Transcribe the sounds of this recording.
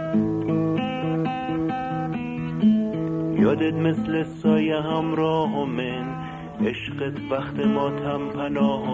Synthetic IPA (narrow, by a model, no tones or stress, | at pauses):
jɒːd̪et̪meslesɒːjeɦæmɾɒːɦomen | eʃɢet̪ʰvæxt̪emɒːt̪ʰæmpʰænɒːɦ